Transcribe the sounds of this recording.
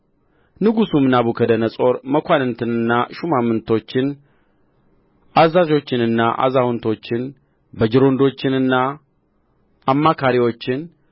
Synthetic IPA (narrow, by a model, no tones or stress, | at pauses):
nɨɡusumɨnaβukʰəd̪ənəsʼo̞ɾməkʷanɨnt̪ʰɨnɨnːaʃumamɨnt̪ʰo̞t͡ʃːɪn | ʔazːazo̞t͡ʃːɪnɨnːaʔa̰zawʊnt̪ʰo̞t͡ʃːɪn | bəd͡ʒɪɾo̞nd̪o̞t͡ʃːɪnɨnːa | mːakʰaɾiwo̞t͡ʃːɪn